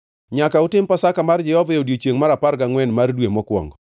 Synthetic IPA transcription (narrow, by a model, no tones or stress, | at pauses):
ɲakautɪmpasakamard͡ʒɛɔvajodjot͡ʃjeŋmaɾaparɡaŋwɛnmardwemɔkwɔ̰ŋɡɔ